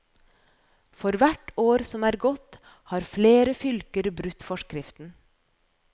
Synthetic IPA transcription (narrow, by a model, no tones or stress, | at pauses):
fɔɾʋæʈoːɾsɔmæːɾɡɔt̪ | hɑːɾfleːɾəfʏlkəɾbɾʉt̪ːfɔʃkɾɪft̪n̩